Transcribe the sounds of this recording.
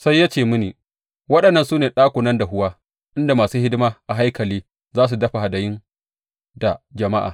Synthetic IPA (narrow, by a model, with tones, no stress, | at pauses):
sa˦jːaː˦t͡ʃeː˨mʊ˦niː˨ | wɐ˦ɗɐ˨nːɐ˦nsuː˦neː˨ɗaː˦kʷʊ˨nɐ˦nda˨ɦʊ˦waː˦ | ʔɪ˦nda˨maː˨suː˦hɪ˦dɪ˦maː˦ʔa˨ɦa˦jkɐ˨liː˦ | zaː˦s̬u˨dɐ˦ɸa˨ha˨dɐ˨jɪ˦n | da˨d͡ʒɐ˨ma˦ʔa̰˨